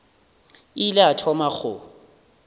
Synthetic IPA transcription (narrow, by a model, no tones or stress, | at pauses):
ɪlɪatʰɔmaχʊ